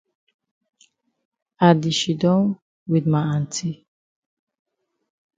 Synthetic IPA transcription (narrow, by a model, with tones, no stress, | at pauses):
a˨di˨ʃi˨dɔ̃˦n | widma˨ãntʰi˦